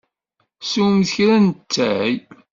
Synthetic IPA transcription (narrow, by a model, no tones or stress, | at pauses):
suwmθəçɾænt͡sːæj